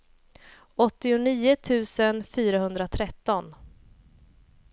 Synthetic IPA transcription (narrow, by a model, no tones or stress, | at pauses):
ɔt̪ːɪʊniːʊt̪ʰʉ̟ːsənfyːɾaɦɵnd̪ɾat̪ʰɾɛt̪ːɔn